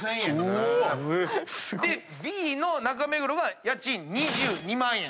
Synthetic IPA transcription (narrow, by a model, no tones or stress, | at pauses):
ẽ | sɡd̪e̞ | bʲiːno̞nak̬ame̞ɡɯɾoɡajat͡ɕĩɲ̟ɲiʑɨːɲ̟imãɰ̃jẽ